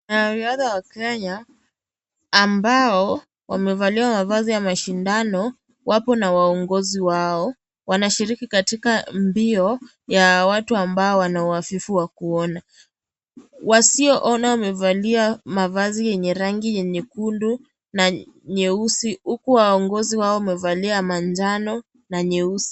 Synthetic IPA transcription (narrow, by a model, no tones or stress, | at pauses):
naɾiaðawakɛɲa | mbaɔ | wamɛvaliwamavazijamaʃindanɔ | wʔapɔnawaɔŋɡɔziwaɔ | wanaʃiɾikikatikambiɔ | jawatuambaɔwanauafifuwakuɔna | wasiɔʔɔnawamɛvaliamavazijɛɲɛɾaŋɡijɛɲɛkundu | naɲɛusihukuwaɔŋɡɔziwaɔwmɛvaliamand͡ʒanɔ | naɲɛusi̥